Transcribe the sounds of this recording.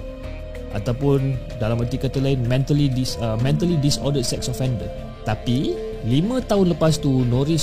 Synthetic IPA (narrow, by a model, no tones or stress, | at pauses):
ʔa̰t̪awpun | dalamət̪ikat̪əlainmɛ̃nt̪əlidisəmɛ̃nt̪əlidisɔdət̪̚sɛk̚sɔfɛndə | t̪api | limə̃t̪aɦʊnləpast̪unɔɾis